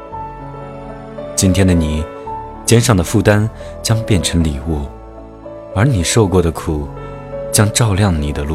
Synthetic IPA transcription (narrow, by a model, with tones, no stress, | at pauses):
t͡ɕi˥nt̪ʰjɛ˥nd̪ə˨ni˨˩ | t͡ɕjɛ˥nʂɑ˥˩ŋd̪ə˩fu˥˩t̪a˥n | t͡ɕjɑ˥ŋpjɛ˥˩nʈ͡ʂʰɤ˧˥ŋli˨˩wu˥˩ | ə˞˧˥ni˨˩ʂo˥˧ʊkwɔ˥˩ɾə˩kʰu˨˩ | t͡ɕjɑ˥ŋʈ͡ʂɑ˥˧ʊljɑ˥˩ŋni˨˩d̪ə˦lu˥˩